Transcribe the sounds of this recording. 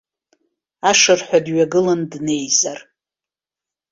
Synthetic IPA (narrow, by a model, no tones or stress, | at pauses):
aʂɨrħʷadɥaɡɨlɨndne̞jzar